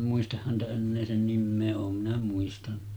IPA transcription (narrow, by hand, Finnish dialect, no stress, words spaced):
muistɑh hæntæ enːeː sen nimːeː oːm minæ muistɑnn̥ɑ̥